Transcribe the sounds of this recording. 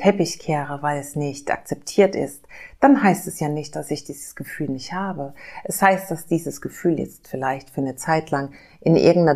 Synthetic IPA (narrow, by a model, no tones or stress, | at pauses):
tʰɛpɪçkʰɛːʁəvaɪlɛsnɪçtʔa̰k̚t͡sɛptʰiːɐtɪ̰std̥anɦaɪstɛsjaːnɪçt̚d̥asɪçd̥iːzəsɡ̥əfyːlnɪçthaːbəʔɛshaɪst̚d̥asd̥iːzəsɡ̥əfyːljɛ̰t͡stfɪlaɪçtfyːɐnət͡saɪtlaŋ | ʔɪnʔɪ̰ɐɡŋ̩tnɐ